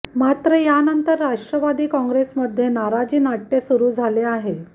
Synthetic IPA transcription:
mat̪ɾəjanənt̪əɾːaʂʈɾəʋad̪iːkɔ̃ŋɡɾesməd̪ʱːjenaɾad͡ʑiːnaʈːesuɾuːd͡zʱaleaɦe

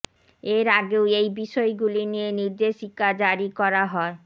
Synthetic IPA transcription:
eɾaɡeoejbiʃɔeɡulinieniɾd̪eʃikad͡ʑaɾikɔɾaɦɔe

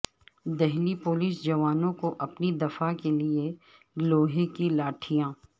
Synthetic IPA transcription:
d̪ɛɦlipoːliːsd͡ʒɐʋaːnõkoʔɐpnid̪ɐfakelie | ɡloːɦekilaːʈʰijãː

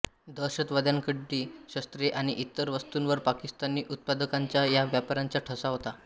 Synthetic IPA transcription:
d̪əɾɕət̪ʋad̪jaŋkəɖːiːɕəst̪ɾeʔaɽ̃iʔit̪ːəɾʋəst̪unʋəɾpakist̪aniːʔut̪̚pad̪əkaɲt͡ɕjajaʋjapaɾaɲt͡ɕjaʈʰəsaɦot̪a

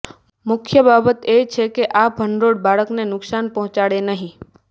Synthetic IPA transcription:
mʊkʰjəbabət̪et͡ʃʰekeʔapɦənɾoɽ̚baɭəknenʊksanpəɦʊ̃t͡ʃaɽenəɦĩ

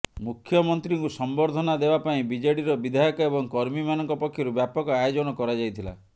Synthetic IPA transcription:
mukʰːjɔmɔnt̪ɾiŋkusɔmbɔɾd̪ʱɔnad̪ebapaĩbid͡ʒɔɽiɾɔbid̪ʱajɔkɔebɔŋkɔɾmimanɔŋkɔpɔkʰːjɔɾubjapɔkɔajod͡ʒɔnɔkɔɾad͡ʒajt̪ʰila̰

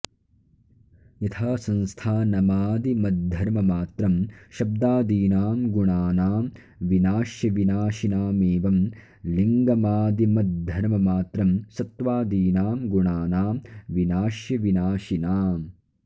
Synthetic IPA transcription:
jɐt̪ʰaːsɐ̃nst̪ʰaːnɐmaːd̪imɐd̪̚d̪ʱːɐɾmɐmaːt̪ɾɐmʃɐb̚d̪aːd̪iːnaːmɡuɳaːnaːm | ʋinaːʃjɐʋinaːʃinaːmeːʋɐm | liŋɡɐmaːd̪imɐd̪d̪ʱːɐɾmɐmaːt̪ɾɐmsɐt̪ʋaːd̪iːnaːmɡuɳaːnaːmʋinaːʃjɐʋinaːʃinaːm

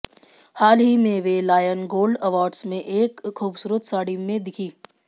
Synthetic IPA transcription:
haːlɦimẽʋelaːjənɡoːlɖɐʋaːɾɖsmẽʔeːkʰːuːbsuːɾət̪ʰsaːɽimẽd̪ɪkʰiː

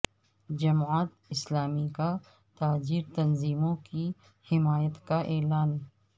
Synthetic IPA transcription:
d͡ʒɐmaːt̪ɪslaːmika | t̪aːd͡ʒiːɾt̪ɐnziːmõki | hɪmaːjət̪kaʔɛːlaːn

